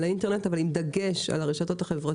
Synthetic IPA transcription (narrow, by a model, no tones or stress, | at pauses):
lainte̞ʁne̞tavalimd̪aɡe̞ʃa̰laʁeʃato̞taχe̞vʁa